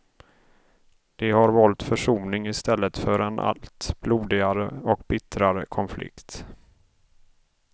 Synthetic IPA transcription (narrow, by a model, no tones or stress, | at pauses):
d̪̥ɛhaɾvɔlt̪fœʂuːnɪŋɪst̪ɛlːət̪fœɾɛnʔa̰lt̪bluːd̪ɪɡaɾəɔkbɪt̪ɾaɾə̰kʰɔnflɪ̰kt̪